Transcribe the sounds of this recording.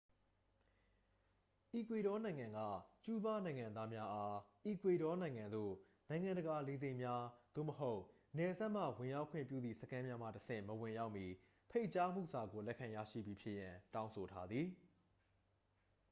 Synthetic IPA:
ʔi˨kwe˨ɾɔ˦nã˨ɪ̃ŋã˨ŋɡa̰˦˨t͡ɕu˦ba˦nã˨ɪ̃ŋã˨nd̪a˦mja˦ʔa˦ʔi˨kwe˨ɾɔ˦nã˨ɪ̃ŋã˨nd̪o̰˦˨ | nã˨ɪ̃ŋã˨ndə˨ɡa˨le˨zẽ˦˨ɪ̃mja˦d̪̥o̰˦˨məɦo˦ʊʔ | nɛ˨za˦ʔm̥a̰˦˨wɪ̃˨ja˦ʊkʰwɪ̰̃˦˨pjṵ˦˨d̪ðḭ˦˨sə˦kʰã˦mja˦m̥ä̰˦˨təsɪ̰̃˦˨məwɪ̃˨ja˦ʊʔmi˨ | pʰe˦ɪʔt͡ɕa˦m̥ṵ˦˨sa˨ɡo˨lɛ˦kʰã˨ja̰˦˨ʃḭ˦˨bji˨pʰjɪ˦ʔjã˨tã˦ʊ̃so˨tʰa˦d̪ði˨

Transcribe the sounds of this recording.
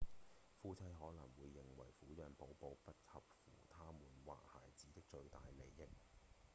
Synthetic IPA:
fuː˧t͡sʰɐ˧˥jɦɔː˨˥lɐ˨˩ŋwuː˨˧jːɪ˨ŋwɐ̰˨˩jfuː˨˥jœː˨˧ŋpo˨˥wpo˧wpɐ˥t̚hɐ˨p̚fṵː˨˩t̪ʰaː˥muː˨˩nwa̰ː˨k̚ha̰ː˨jt͡siː˨˥t̪ɪ˥k̚t͡ʃɵ˧ɥt̪aː˨jle˨˩jːɪ˥k̚

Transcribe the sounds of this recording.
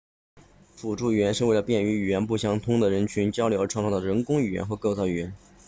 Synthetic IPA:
fu˨˩ʈ͡ʂu˥˩y˨˩ɥɛ˧˥nʂɻ̩˥˧we˥˩ɪlə˩pjɛ˥˩ny˧˥y˨˩ɥɛ˧˥npu˥˩ɕjɑ˥˩ŋt̪ʰʊ˥ŋd̪ə˨ɻə˧˥nt͡ɕʰy˧˥nt͡ɕjɑ˥ʊljo˧˥ʊə˧˥ʈ͡ʂʰŋk̪ʰd̪ə˩ɻə˧˥nkʊ˥ŋy˨˩jɛ̰˧˥nxɤ˧˥kɤ˥˧ʊt͡sɑ˥˩ʊy˨˩jɛ˧˥n

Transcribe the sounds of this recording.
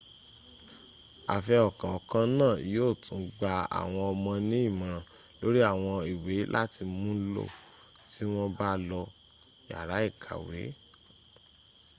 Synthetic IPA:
a̰˨fɛ˧ɔ˨kã˨ɔ˨kã˦nãː˦˨joː˦˨tũ˨˦ɡ͡ba˧a̰˨w̃ɔ̃˧ɔ˧mɔ̃˧nĩ˦i˦˨mã˨ | lo˦ɾi˦a˦˨w̃ɔ̃˧i˨we˨˦lʔa˦ti˧mũ˦lo̰˦˨ | ti˦w̃ɔ̃˦ba˦lɔ˧ | ja̰˨ɾa˨˦i˦˨kʰa̰˨wḛ˨˦

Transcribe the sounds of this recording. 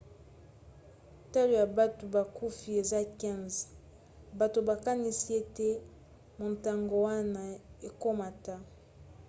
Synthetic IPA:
ta˦lo˨ja˨ba˦to˨ba˨ku˦fi˨e˨za˦kɛ̃˦nz | ba˨to˨ba˨ka˦ni˦si˦e˦te˦ | mo˨nta˨ŋɡo˨wa˦na˨e˨ko˦ma˨ta˦

